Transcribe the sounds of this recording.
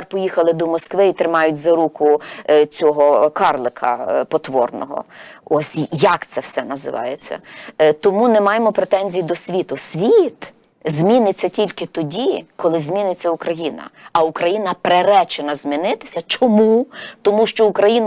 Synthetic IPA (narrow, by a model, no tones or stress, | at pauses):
rpɔjixɐlˠɪd̪ɔmɔskʋɪit̪ɾɪmɑjʊt̚ʲzɐɾukʊt͡sʲɔɦɔkɑrlˠɪkʰɐ̰pɔt̪ʋɔ̰rnɔ̰ɦɔ̰ɔsʲjɐkt̪sɛwsɛnɐzɪ̰ʋɑ̰jet͡sʲːɐ̰t̪ɔmunɛmɑjemɔpɾet̪ɛnʲzʲijid̪ɔsʲʋʲit̪ʊsʲʋʲit̪ | zʲmʲinɪt͡sʲːɐtʲilʲkɪt̪ɔdʲikɔlˠɪzmʲinɪt͡sʲːɐukɾɐjinɐ̰ɐukɾɐjinɐpɾeɾɛt͡ʃenɐzʲmʲinɪt̪ɪ̥sʲɐt͡ʃɔmut̪ɔmuʃt͡ʃɔukɾɐjin